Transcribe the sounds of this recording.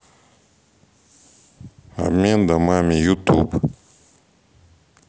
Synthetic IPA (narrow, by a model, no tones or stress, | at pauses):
a̰mend̪amamejuʔt̪ʰup